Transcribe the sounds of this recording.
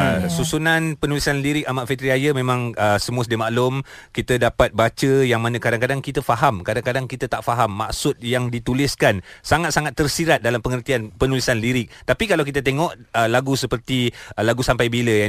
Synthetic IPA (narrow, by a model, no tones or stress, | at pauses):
əsusunanpənulisanliɾɪk̚amaʔfit̪ɾiajəmẽmãŋəsəmuəsdimaʔlʊm | kit̪ədapat̪̚bat͡ʃəjaŋmanakadaŋkadaŋkit̪əfaɦamkadaŋkadaŋkit̪ət̪aʔfaɦamːa̰ksʊt̪̚jaŋdit̪ulɪskansaŋat̪̚saŋat̪ːərsiɾat̪̚dalampəŋərt̪ianpənulisanliɾɪk̚t̪apikalawkit̪ət̪eŋɔʔəlaɡusəpərt̪ilaɡusampajbiləja